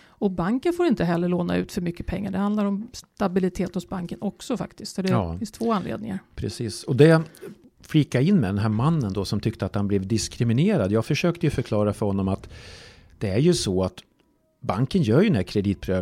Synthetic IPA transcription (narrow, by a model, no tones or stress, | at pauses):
ɔbaŋkənfoːɾɪnt̪əɦɛlːəɭoːna̰ʉ̟ːt̪fœɾmʏkːəpʰɛŋːaɖɛhand̪laɾɔmst̪abɪlɪt̪ʰeːt̪hʊsbaŋkənʔɔksɔfa̰kt̪ɪskt̪sɔd̪ɛːɪnst̪ʰvoːanlḛːd̪̚nɪ̰ŋaɾpʰɾɛsiːsɔd̪ɛ | fliːkːaɪnːmɛd̪ɛnɦæːɾmanːənd̪ɔsɔmt̪ʰʏkt̪əat̪hanblɛvd̪ɪskɾɪmɪneːɾad̪jɑːɡfœʂøːk̚t̪əjɵfœɾkʰlɑːɾafœɾhɔnːɔmat̪d̪̥ɛæɾjɵsɔat̪ | baŋkənjœːɾjɵnækʰɾɛd̪iːt̪̚pʰɾøː